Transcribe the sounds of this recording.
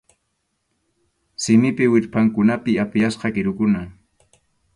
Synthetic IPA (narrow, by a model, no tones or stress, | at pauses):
sɪmɪpɪwɪɾpaŋkʊnapɪapɪjasqɑkɪɾʊkʊna